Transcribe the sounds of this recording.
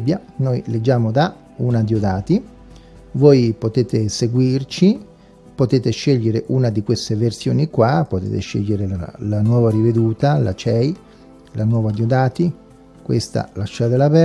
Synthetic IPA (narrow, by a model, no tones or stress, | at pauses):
bːja | nojled͡ʒːaːmod̪a | unad̪iod̪aːt̪i | vojpot̪eːt̪eseɡwirt͡ʃi | pot̪eːt̪eʃeʎːeɾeʔunad̪ikwest̪eversjoːnikwapot̪ḛːt̪eʃḛʎːeɾḛlanwɔːvaɾived̪uːt̪ala̰t͡ʃɛj | lʔanwɔːvad̪iod̪aːt̪i | kwḛst̪a̰laʃːad̪elavɛ